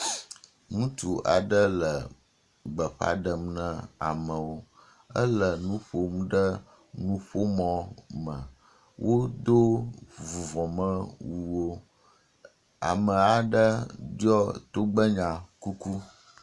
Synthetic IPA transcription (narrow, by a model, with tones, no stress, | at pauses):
ŋũ˦t̪u˨ʔa˨ɖə˦lə˨ | ɡ͡bə˨ɸa̰˦ɖə˨mnə̃˦a˨mə̃˨wo˦ | ə̰˦lə˨nũ˦ɸo˦m˦ɖə˦ | nũ˦ɸo˦mɔ̃˨mə̃˨ | wʔo˦d̪o˦vu˨vɔ̃˨mə̃˦wu˨wo˦ | a̰˨mə˨a˨ɖə˦d͡ʒɔ˦t̪o˦ɡ͡bə˦ɲã˨ku˦ku˦